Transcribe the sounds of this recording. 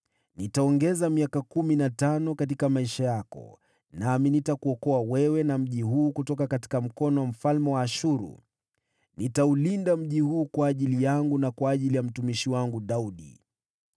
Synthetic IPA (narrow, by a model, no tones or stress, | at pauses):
nitaɔŋɡɛzamiakakuminatanɔkat̬ikamaiʃajakɔ̰ | naminitakuɔkɔawɛwɛnam̩ʄiɦuːkutɔkakati̥kam̩kɔnɔwam̩falmɛwaːʃuɾṵ | nitaulindam̩ʄihuːkwaːʄilijaŋɡunakwaːʄilijam̩tumiʃiwaŋɡuɗauɗḭ